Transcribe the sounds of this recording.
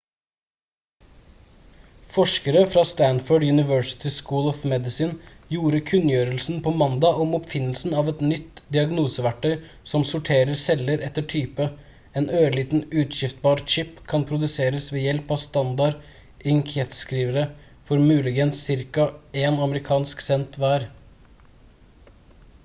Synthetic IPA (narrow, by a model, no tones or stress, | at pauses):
fɔʂkəɾəfɾɑst̪ænfɔɖjʉnɪʋœɹsɪ̥t̪ʰɪskuːlɔfmɛd̪ɪsɪnjuːɾəkʰʉnjøːɾəlsn̩pʰɔmɑnd̪ɑʔɔmɔpfɪnːəlsn̩ɑʋɛt̪nʏt̪ːd̪ɪɑɡnuːsəʋæʈʰːœʏ | sɔmsʊʈʰeːɾəɾsɛləɾɛt̪ːəʈʰyːpə | ɛːnøːɭiːt̪nʉːt̪ɕɪft̪̚bɑːɾʂɪpːkʰɑnpʰɾʊd̪ʉseːɾəsʋɛːjɛlpɑʋst̪ɑnd̪ɑɾ | ɪŋkʰɛt̪skɾiːʋəɾə | fɔɾmʉːlɪɡənsːɪɾkɑeːnɑməɾɪkʰɑːnsksɛnt̪ʋæːɾ